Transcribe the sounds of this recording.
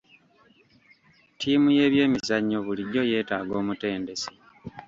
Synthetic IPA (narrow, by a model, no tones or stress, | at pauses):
tʰiːmuje̞ːβje̞ːmizaɲːo̞βuliɟo̞je̞ːtaːɡo̞ːmute̞ːnde̞si̥